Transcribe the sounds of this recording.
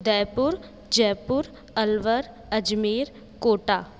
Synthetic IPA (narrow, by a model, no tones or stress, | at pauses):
d̪ɛːpʊɾ | d͡ʒɛːpʊɾ | ɐlʋəɾ | ɐd͡ʒmeːɾ | koːʈaː